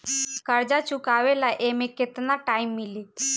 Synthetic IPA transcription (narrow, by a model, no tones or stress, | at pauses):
kəɾd͡ʒat͡ʃʊkaːʋelaʔeːmẽkɪt̪naʈaːimːɪleː